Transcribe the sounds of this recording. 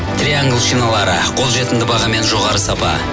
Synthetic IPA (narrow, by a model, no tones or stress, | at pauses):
t̪rʲiaŋɡlˠʃinɑlˠɑɾə̰qʰo̞lˠʒe̞t̪ɪnd̪ɪbɑʁɑme̞nʒo̞ʁɑɾəsɑpɑ̰